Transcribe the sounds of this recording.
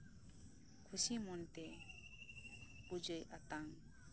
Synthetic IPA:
kʰusimɔnt̪ɛ | bud͡ʒəjʔat̪aŋ

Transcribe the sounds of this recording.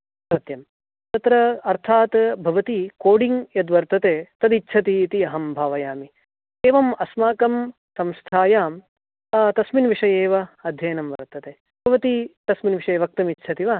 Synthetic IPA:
sɐt̪jɐm | t̪ɐt̪ɾɐɐɾt̪ʰaːt̪bʱɐʋɐt̪ikoːɖiŋjɐd̪ʋɐɾt̪ɐt̪eːt̪ɐd̪itːt͡ʃʰɐt̪iːt̪iɐɦɐmbʱaːʋɐjaːmi | eːʋɐmɐsmaːkɐm | sɐmst̪ʰaːjaːmː | t̪ɐsminʋiʂɐjeːʋɐɐd̪ʱjɐjnɐmʋɐ̰ɾt̪ːɐt̪eː | bʱɐʋɐt̪it̪ɐsminʋiʂɐjeːʋɐk̚t̪ɐmitːʃʰɐt̪iʋɐ

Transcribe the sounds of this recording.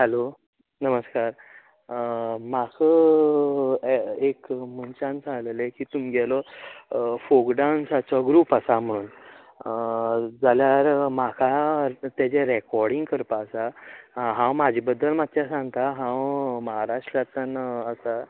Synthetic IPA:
ɦəlo | nəməskaɾ | makʰə | ekm̤ənt͡ɕãnt͡sãŋɡləlekiːt̪umiɡʱɛlɔ | fokɖansat͡sɔɡɾuːpasam̤əɽ̃uːn | d͡zaljaɾmakʰat̪jat͡seɾekɔɾɽiŋɡkəɾpaːsaɦãwmad͡ʑʱibəd̪ːəlmat̪t͡ɕjasãŋɡt̪aɦãwməɦaɾaʂʈɾjat̪ənəsa

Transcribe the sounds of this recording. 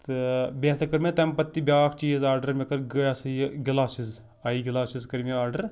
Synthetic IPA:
t̪ɨbeːsɐkɐɾmet̪ɐmpɐt̪ːibʲjaːkʰt͡ʃiːzaːɾɖɐɾmekɐɾɡɐjasɐjɡɪlaːsiz | ɐiɡɪlaːsizkɐɾmiaːɾɖɐɾ

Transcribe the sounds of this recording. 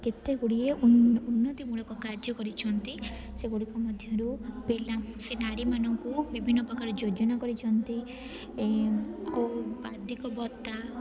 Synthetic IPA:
ket̪eɡuɽieuunːɔt̪imuɭɔkɔkaɾd͡ʒɔkɔɾit͡ʃʰɔnt̪iseɡuɽikɔmɔd̪ʱjɔɾubilasenaɾimanɔŋkubibʱinːɔpɔkʰaɾɔd͡ʒod͡ʒɔnakɔɾit͡ʃʰɔnt̪i | oad̪ʱikɔbɔt̪a

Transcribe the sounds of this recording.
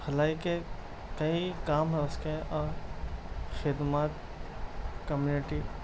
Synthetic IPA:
xɐlaːike | kɐikaːmɦɐəskẽʔɔːɾ | xɪd̪maːt̪ | kɐmjuːnɪʈi

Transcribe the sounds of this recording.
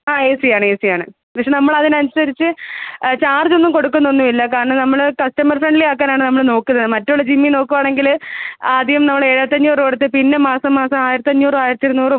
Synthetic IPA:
aːeːsijaːɳɨeːsijaːɳɨ | pɐkʂenɐmːɐɭɐðinɐnsɐɾit͡ɕːɨt͡ɕaːrd͡ʑo̞nːumko̞ɽukːunːonːumilːɐkaːɾɐɳɐmnɐmːɐɭkɐstɐmɐrfrɐɳɖileaːkːaːnaːɳɨnɐmːɐɭno̞ːkːunːɐðɨmɐtːuɭːɐd͡ʑimːino̞ːkːuʋaːɳe̞ŋɡilaːd̪ʱjɐmnɐmːɐɭeɻɐt̪ːɐɲːuːroɽɐt̪̬ːepinːemaːsɐmːaːsɐmaːjiɾɐt̪ːɐɲːuːrɨaːjiɾɐt̪ːiɾnuːrɨ

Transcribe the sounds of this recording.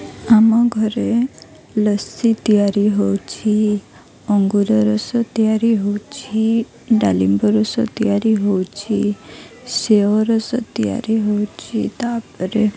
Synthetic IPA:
amaɡʱəɾe | ləsit̪ijaɾiɦowt͡ʃʰi | ɔŋɡuɾɔɾɔsɔt̪ijaɾiɦowt͡ʃʰi | ɖalimbɔɾɔsɔ̰t̪ijaɾiɦowt͡ʃʰi | seʋɔɾɔsɔt̪ija̰ɾiɦowt͡ʃʰit̪apəɾe

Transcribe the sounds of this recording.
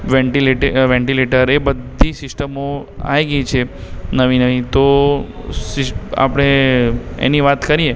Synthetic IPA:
ʋẽɳʈileʈʋɛ̃ɳʈileʈəɾebəd̪ʱːisɪsʈəmoa̰jɡəjt͡ʃʰenəʋinəʋit̪o | sɪsa̰pəɽ̃e | ḛniʋat̪kəɾie

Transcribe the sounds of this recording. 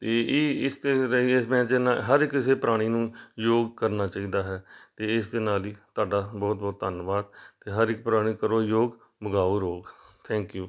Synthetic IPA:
t̪eːiːɪst̪eːɾəimɛ̃ːt͡ʃənaːɦəɾɪkːɪseːpəɾaːɽ̃iːnũːjoːɡkəɾnaːt͡ʃaːiːd̪aːɦɛːt̪eːɪsd̪eːnaːliːt̪ʊaːɖaːbɔːt̪̚bɔːt̪ːənʋaːd̪t̪eːɦəɾɪk̚ːpɾaːɽ̃iːkəɾoːjoːɡ | bəɡaːoːɾoːɡt̪ʰɛ̃ːŋkjuː

